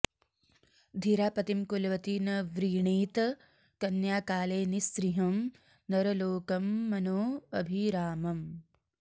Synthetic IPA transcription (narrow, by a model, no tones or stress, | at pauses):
d̪ʱiɾaːpɐt̪imkulʋɐt̪inɐʋɾiːɳiːt̪ɐ | kɐnjaːkaːleːnisɾiɦɐm | nɐɾɐloːkɐmːɐnoːɐbʱiɾaːmɐm